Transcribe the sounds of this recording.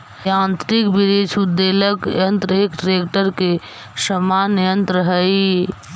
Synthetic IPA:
jãːnt̪ɾikbiɾeːt͡ʃud̪ːeləkjə̃nt̪ɾeːkʈɾeːkʈəɾke | səmaːnijə̃nt̪ɾəɦəi

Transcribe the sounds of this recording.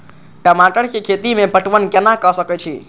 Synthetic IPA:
ʈəmaʈəɽkekʰet̪imẽpəʈʋənkenakəsəkɛt͡ʃʰḭ

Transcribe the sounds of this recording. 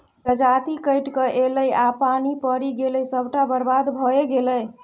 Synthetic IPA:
t̪əd͡ʒat̪ikəjʈkəʔeləjapanipəɾiɡeləjsəbʱʈabəɾbad̪bʱɔeɡeləj

